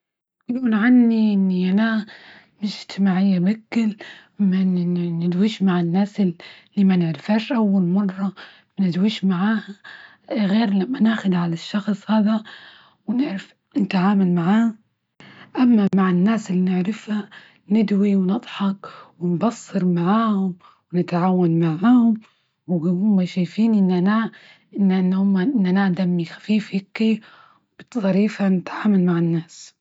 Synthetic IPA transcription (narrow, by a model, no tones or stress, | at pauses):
kɪluːnʕanːiʔɪnːiʔana | mɪʃɪd͡ʒt̪ɪmaːʕɪjːabakːɪlmanɪd̪wiːʃmaʕɪnːaːsɪlːiːmanɪʕɾɪfaːʃʔawːalmɑrˤːɑ | mnɪd̪wiːʃmaʕaːha | ɣeːɾlamːanaːxʊd̪ʕalaʃːɑxsˤhaːða | wnɪʕɾɪf | nɪt̪aʕaːmalmaʕaː | ʔamːamaʕɪnːaːsɪlːinɪʕɾɪfha | nɪd̪wiwnɨd̪ˤħɑkwɪnbɑsˤːɨɾmaʕaːhʊm | wnɪt̪ʕaːwːanmaʕaːhʊm | whʊmːaʃajfiːnʔɪnːana | ʔɪnːahʊmːaʔɪnːanad̪amːixḁfiːfhɪkːi | b̥ɪt̪sˤɑɾiːfanɪt̪ʕaːmalmaʕɪnːaːs